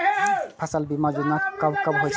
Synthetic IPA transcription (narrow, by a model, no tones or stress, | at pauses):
pʰasalbimazunakːabkabɦojsʰ